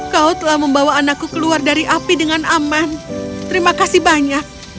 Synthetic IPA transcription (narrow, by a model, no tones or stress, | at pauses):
kaut̪əlahməmbawaːnakːukəluardaɾiʔapidəŋanamant̪əɾimakasihbaɲak̚